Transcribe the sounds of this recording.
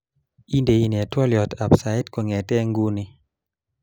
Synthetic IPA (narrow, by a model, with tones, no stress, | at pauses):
i˦nde˨i˦ni˨a˨twɔ˦ljɔ˨tʰa˨psa˨ɪ˦tkɔ˨ŋɛ˨tɛ˦ŋɡu˦ni˦